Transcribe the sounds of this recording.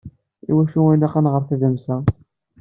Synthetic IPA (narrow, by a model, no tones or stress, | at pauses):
ḭwæʃuinæqanʁəɾˤθæðæmsæ